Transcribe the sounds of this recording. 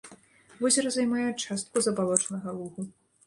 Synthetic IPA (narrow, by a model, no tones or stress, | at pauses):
vɔzʲɐɾɐzajmajɛt͡ʂast̪̚kuzɐbalˠɔt͡ʂnɐɣɐlˠuɣu